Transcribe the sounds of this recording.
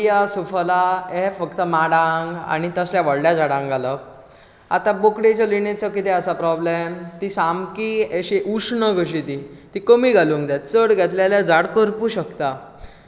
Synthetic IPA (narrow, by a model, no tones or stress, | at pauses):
jasufəlaefəkt̪əmaɽãŋɡa̰ñit̪əsljaʋəɽljad͡zaɽãŋɡalə | a̰t̪abokɽet͡ɕalinet͡səkit̪eəsapɾɔblemt̪isamkieɕeʔuʂnəɡʱəɕ̬it̪it̪ikəmiɡʱaluŋkd͡zat̪̚t͡səɽɡʱɛt̪ljaljad͡zaɽkəɾpuːɕəkt̪a